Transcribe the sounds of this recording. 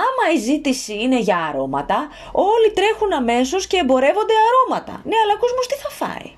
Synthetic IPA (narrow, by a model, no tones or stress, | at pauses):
ɐmɐizit̪isiine̞ʝɐːɾo̞mɐt̪ɐ | o̞lit̪ɾe̞xunɐme̞so̞sce̞ːmbo̞ɾe̞vo̞nd̪e̞ɐɾo̞mɐt̪ɐ̰ne̞ɐlɐkozmost̪iθɐfɐ̰ḭ